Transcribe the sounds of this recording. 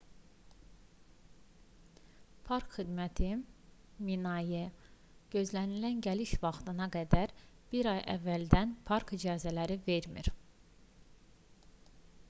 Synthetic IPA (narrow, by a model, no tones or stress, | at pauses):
pʰɑɾkχid̪mæt̪ʰi | minɑjɯ | ɟ̥ø̞zlænilænɟæliʃvɑχt̪ɯnɑɡæd̪æɾb̥iɾɑjʔæ̰vːæld̪ænpʰɑɾkid͡ʒɑːzælæɾive̞ɾmḭɾ